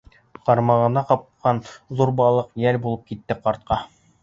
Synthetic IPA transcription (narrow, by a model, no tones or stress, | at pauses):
qɑɾmɑʁɤ̆nɑqɑp̚qɑnðuɾbɑlˠɤqjælbulˠɤp̚kit̪ːɘqɑɾt̪̚qɑ